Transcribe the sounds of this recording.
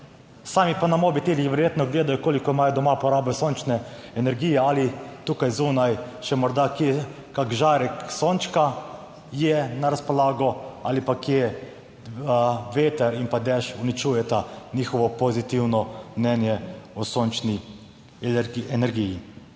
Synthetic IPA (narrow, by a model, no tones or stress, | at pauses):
saːmipanamoːbit̪elixʋɛɾjeːt̪nɔɡleːd̪ajɔkoːlikɔimaːjɔd̪ɔmapɔɾaːbɛsont͡ʃnɛ | ɛnɛɾɡiːjɛaːlit̪uːkajzuːnajʃɛmɔɾd̪ake | kakʒaːɾɛksoːnt͡ʃka | jɛnaɾaspɔlaːɡɔaːlipakje | ʋeːt̪ɛɾimpad̪ɛʃunit͡ʃuːjɛt̪aniːxɔʋɔpɔzit̪iwnɔmnʲɛnjɛɔsoːnt͡ʃni | ɛnɛɾɡiji